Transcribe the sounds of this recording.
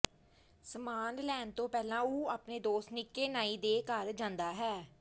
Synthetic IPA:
səmaːnlɛːnt̪õːpɛːlãːuːaːpneːd̪oːsnɪkːeːnaːiːd̪eːkəɾd͡ʒãːnd̪aːɦɛː

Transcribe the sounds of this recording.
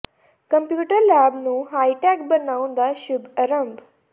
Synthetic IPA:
kəmpjuːʈəɾlæbnũːɦajʈɛkbənaw̃nd̪aɕubəɾəmb

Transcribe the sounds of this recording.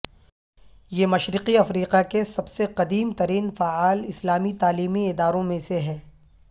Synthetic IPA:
jeːmɐʃɾɪqiɐfɾiːqakesɐbseqɐd̪iːmt̪ɐɾiːnfaːaːlɪslaːmit̪aːliːmiɪd̪aːɾõmẽseɦɛː

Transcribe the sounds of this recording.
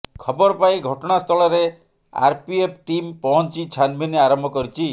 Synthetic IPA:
kʰɔbɔɾɔpaiɡʱɔʈɔɽ̃ast̪ʰɔɭɔɾe | a̰ɾpiep̚ʰʈimpɔɦɔnt͡ʃit͡ʃʰanbʱineaɾɔmbʱɔkɔɾit͡ʃʰi

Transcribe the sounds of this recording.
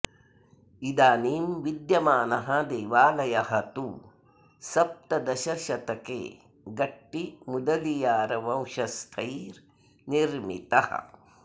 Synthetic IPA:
id̪aːniːmʋid̪jɐmaːnɐɦɐd̪eːʋaːlɐjɐɦɐt̪u | sɐp̚t̪ɐd̪ɐʃɐɾʃɐt̪ɐkḛː | ɡɐʈːimud̪ɐlijaːɾɐʋɐ̃wʃɐst̪ʰɐjɾ | niɾmḭt̪ɐhɐ̰

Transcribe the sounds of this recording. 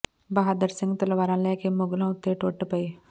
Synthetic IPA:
bɐɦaːd̪əɾsɪ̃ŋɡt̪ɐlʋaːɾãːlɛːkemʊɡlãːʊt̪ːeʈoːʈpəe

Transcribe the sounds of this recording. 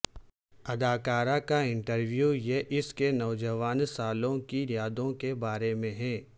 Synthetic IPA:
ɐd̪aːkaːɾakaɪ̃ɳʈəɾʋjuːjeʔɪskenɔʊd͡ʒəʋaːnsaːlõkijaːd̪õkebaːɾemẽɦɛ̃ː

